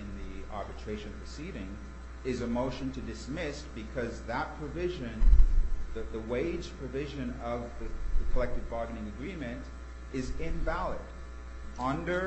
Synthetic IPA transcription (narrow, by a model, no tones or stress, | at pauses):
ɨ̃nðiɑɹbɨtʰɹ̥eɪʃɨ̃nʌpʰɨsiɾɪ̃ŋ | ɪzɨmoʊʃɨ̃ntʰɨdɨsmɪsb̥ɨkʰʌzðət̚pʰɹ̥ɨvɪʒɨ̃nðɨðəweɪd͡ʒpʰɹ̥ɨvɪʒɨ̃nʌvðɨkʰəlɛk̚tɨd̚bɑɹɡɨnɪ̃ŋɨɡɹĩmɨ̃nt | ɪzɪ̃ɱvælˠɪ̰ɾ | ʌ̃ndə˞